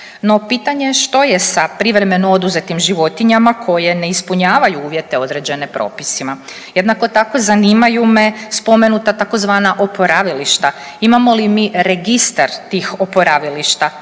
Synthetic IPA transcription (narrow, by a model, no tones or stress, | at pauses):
no̞piːt̪aɲe̞ʃt̪o̞je̞sapɾiʋɾe̞me̞noo̞d̪uze̞t̪imʒiʋo̞t̪iɲamakʰo̞je̞ne̞ispuɲaːʋajuuːʋje̞t̪e̞o̞d̪ɾe̞d͡ʑe̞ne̞pɾo̞̰ːpisima | jed̪nako̞t̪ako̞zaniːmajume̞spo̞me̞nut̪at̪ako̞zʋaːnaʔo̞po̞ɾaʋiliʃt̪a | imamo̞limiːɾe̞ɡist̪aɾt̪iːxo̞po̞ɾaʋiliʃt̪a